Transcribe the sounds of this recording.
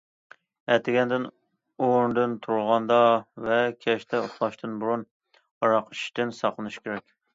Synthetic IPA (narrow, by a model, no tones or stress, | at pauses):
ɛt̪ʰɪɡʲɛnd̪ɪn | oɾnd̪ɨnt̪ʰuɾlˠʁɑnd̪ɑvɛkʲʰɛʃt̪ʰɛoχlˠɑʃt̪ʰɨnbuɾun | ɑɾɑqi̥ʃt̪ɪnsɑqlˠɨnɨʃkʲʰeɾɛkʲ